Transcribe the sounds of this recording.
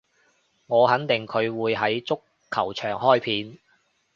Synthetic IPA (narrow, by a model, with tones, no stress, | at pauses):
ŋɔː˨˧ɦɐ˨˥nt̪ɪ˨˩ŋkʰɵ˨˧ɥwuː˨˧jɦɐ˨˥jt͡sʊ˥kʰːɐ˨˩wt͡ʃʰœː˨˩ŋhɔː˥jpʰiː˧n